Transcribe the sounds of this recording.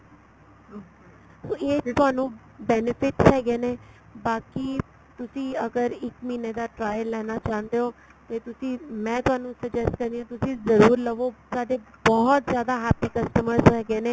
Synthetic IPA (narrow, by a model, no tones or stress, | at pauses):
soːeːt̪ʊaːnũː | bɛːnɪpʰɪʈsɦɛːɡeːneː | baːkiː | t̪ʊsĩːəɡəɾɪkmiːneːd̪aːʈɾaːjəlːɛːnaːt͡ʃaːɦnd̪eːɦoː | t̪eːt̪ʊsĩːmɛ̃ːt̪ʊaːnũːsəd͡ʒɛsʈkəɾd̪iãːt̪ʊsĩːzəɾuːɾləʋoːsaːɖeːbɔɦt̪zjaːd̪aːɦɛːpiːkəsʈəməɾzɦɛːɡeːneː